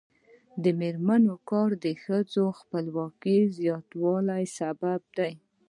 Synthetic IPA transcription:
d̪əmeɾmanokɑɾd̪əxəd͡zoxpəlwɑkizjɑt̪wɑlajsabab̚d̪aj

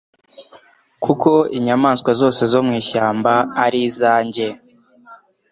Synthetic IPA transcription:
kʰuko̞iɲamaːnskwazo̞ːse̞zo̞mŋiːʃaːmbaːɾizaːɲɟe̞

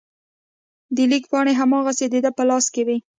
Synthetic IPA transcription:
d̪əlikpɑɽeɦamɑɣased̪ed̪apəlɑskewi

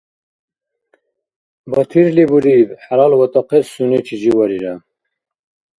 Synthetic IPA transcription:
bɐt̪ʰiɾlibuɾibħalɑlwɐt̪ɔqessunet͡ʃʰid͡ʑiwɐɾiɾa

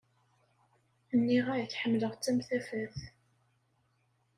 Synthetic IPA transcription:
ənːiʁæjθħəmːləʁt͡sːæmθæfæθ

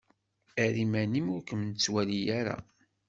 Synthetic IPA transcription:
æɾimænimʊɾkəmnt͡sːwælijaɾa̰

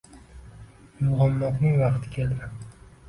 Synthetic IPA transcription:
juʁɑmːɒqnɪŋvɑqt̪ʰɪ̥kʲʰeld̪ɪ

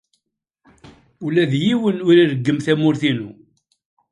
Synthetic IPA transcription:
ulæðjiwənʊɾiɾəɡːəmθæmʊɾθinu

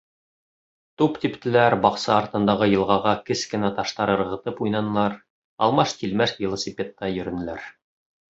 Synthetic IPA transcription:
t̪upt̪ipt̪ɘ̆læɾbɑqsɑːɾt̪ɤ̆nd̪ɑʁɤjɤ̆lˠʁɑʁɑkɘskɘ̆næt̪ɑʃt̪ɑɾɤ̆ɾʁɤ̆t̪ɤpujnɑnɤ̆lˠɑɾ | ɑ̰lˠmɑʃt̪ilmæʃvʲilˠɐsʲɪpʲet̪ːɑjɵ̆ɾɵ̆nɘ̆læ̰ɾ

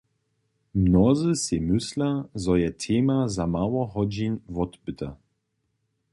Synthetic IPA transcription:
mnɔzɨsɛmʏslazɔjɛt̪ʰeːmazamaːwɔɦɔd͡ʑinvɔt̪bɨt̪ʰa

